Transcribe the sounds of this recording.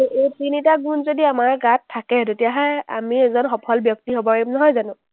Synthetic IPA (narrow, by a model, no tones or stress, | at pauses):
etinitaɡunzodiamaɹɡatʰːakɛtetijaɦɔja̰miɛzɔnxɔpʰɔlbjɔk̚tiɦobɔɹimnɔɦɔjzanʊ̃